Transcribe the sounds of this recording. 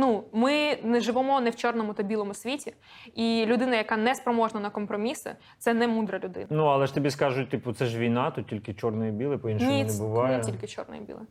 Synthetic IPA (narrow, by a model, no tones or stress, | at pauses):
numɪnɛʒɪʋɔmɔnɛwt͡ʃɔrnɔmʊt̪ɐbʲilˠɔmʊsʲʋʲitʲi | ilʲʊd̪ɪnɐjɐkanɛspɾɔmɔʒnɐnɐkɔmpɾɔmʲisɪ̰ | t̪sɛnɛmud̪ɾɐlʲʊd̪ɪ̰nɐnuɐlˠɛʃt̪ɔbʲiskɑʒʊt̚ʲt̪ipʊt̪sɛʒʋʲijnɑt̪ut̚tʲilʲkɪt͡ʃɔrnɔjibʲilˠɪpɔinnʲinɛbʊʋɑjɛtʲilʲkɪt͡ʃɔ̰rnɔ̰jḭbʲḭlˠɪ